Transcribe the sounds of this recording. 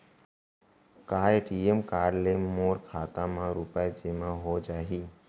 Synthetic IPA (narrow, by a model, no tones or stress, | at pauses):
kaːeʈiemkaːɾɖlemoːɾkʰaːt̪ãmãɾupaed͡ʒɪmãɦod͡ʒaːɦiː